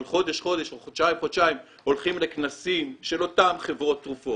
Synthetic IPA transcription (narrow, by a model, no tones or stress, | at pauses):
lχo̞d̪eʃχo̞d̪eʃχodʃaimχod̪ʃaim | o̞lχimleknasimʃe̞lo̞t̪amχevʁo̞t̪ːʁufo̞